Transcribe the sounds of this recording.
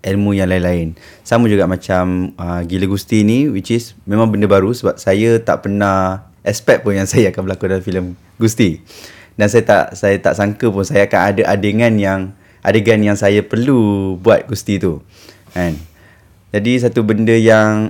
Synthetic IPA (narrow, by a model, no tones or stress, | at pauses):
ʔɛlmujaŋlaɪnlaɪn | saməd͡ʒuɡaʔmãt͡ʃaməɡiləɡust̪iniwit͡ʃismẽmãŋbəndəbaɾusəbap̚sajət̪a̰ʔpənah | ʔɛspɛt̪̚pʊnjaŋsajaakanbəlakudalamfiləm | ɡust̪i | dansajət̪a̰ʔsajat̪a̰ʔsaŋkəpʊnsajaakanadəʔadeŋãnjaŋ | ʔa̰deɡanjaŋsajapərlubuat̪̚ɡust̪it̪u | ʔɛ̃n | d͡ʒadis̬at̪ubəndəjaŋ